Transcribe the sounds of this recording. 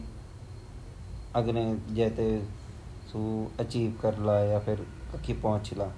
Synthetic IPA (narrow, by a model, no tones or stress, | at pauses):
əɡnẽːd͡ʒɛːt̪eː | suːət͡ʃiːʋkəɾlaːjaːpʰɪɾkəkʰːiːpɔːʊ̃t͡ʃlaː